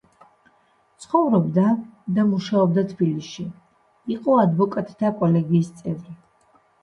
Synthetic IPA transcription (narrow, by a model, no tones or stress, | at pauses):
t̪sʰχɔvɾɔbd̪ad̪amuʃaɔb̚d̪at̪ʰb̥iliʃi | iqʼɔad̪vɔkʼat̪ʼi̥t̪ʰakʼɔlɛɡiːst̪sʼɛvɾi